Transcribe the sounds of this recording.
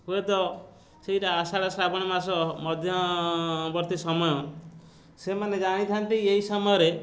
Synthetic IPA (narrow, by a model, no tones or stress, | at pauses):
ɦuet̪ɔ | seɦiɾaːsaɽaslabɔɽ̃imasɔmɔd̪ʱjɔ | bɔɾt̪isɔmɔjɔ | semaned͡ʒaɽ̃it̪ʰant̪ieɦisɔmɔjɔɾe